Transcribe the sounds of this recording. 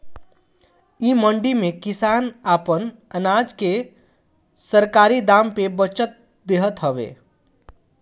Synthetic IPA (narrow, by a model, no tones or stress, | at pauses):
iːməɳɖimẽkɪsaːnaːpənənaːd͡ʒke | səɾkaːɾid̪aːmpebət͡ʃət̪̚ | d̪eɦət̪ɦəʋḛː